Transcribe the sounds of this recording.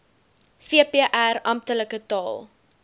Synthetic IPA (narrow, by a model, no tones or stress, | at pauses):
fiəpiəʔærɐmptələkətɑːlˠ